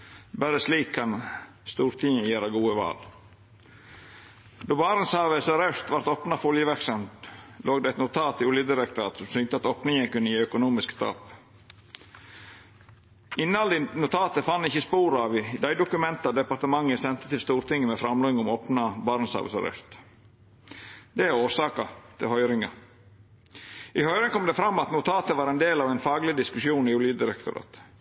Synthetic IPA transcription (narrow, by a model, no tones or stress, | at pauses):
bæɾəsliːkʰːɑn | st̪uːɾt̪ʰɪŋəjeːɾɑɡuːəʋɑ̰ːl | d̪oːbɑːɾənsɑːʋəsɑɾœst̪ʋɑɾt̪opnɑfɔljəʋæksɑmt̪lʔoːɡd̪ɛæɪt̪nʊt̪ʰɑːt̪ɪʊljəd̪ɪɾək̚t̪ʰɑ̰ːt̪sɔmsʏnt̪əɑt̪oːpnɪŋənkʉnːəjiːœkʊnuːmɪskt̪ʰɑ̰ːp | ɪnːəhɑld̪ɪnʊt̪ʰɑːt̪əfɑnːɪçːəspuːɾɑʋɪd̪æɪd̪ʊkʉmɛnt̪ɑd̪ɛpɑɾt̪əmɑŋːəsɛnt̪ə̥t̪ʰɪlst̪uːɾt̪ʰɪŋːəmɛfɾɑmloːɪŋɔmoːpnɑbɑɾnsɑ̰ʋə̰sɑ̰ɾɛ̰st̪ | d̪ɛæɾoːɾsɑːkɑt̪ʰɪlhœʏɾɪŋɑ | ʔɪhœʏɾɪŋkʰɔmd̪ɛfɾɑmːɑt̪nʊt̪ʰɑːt̪əʋɑːɾɛnd̪eːlɑːʋɛɪnfɑːɡlɪd̪ɪskʉsjuːnɪʊljəd̪ɪɾɛkt̪ʊɾɑ̰ːt̪